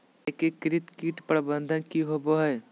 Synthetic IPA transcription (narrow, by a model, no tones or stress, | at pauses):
ekekɾɪt̪kiːʈpɾəbə̃nd̪ʱənkiɦoboɦɛ